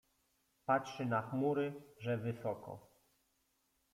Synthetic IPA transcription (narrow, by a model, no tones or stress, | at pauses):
patʂɘnaxmuɾɘʐɛvɘsɔkɔ̰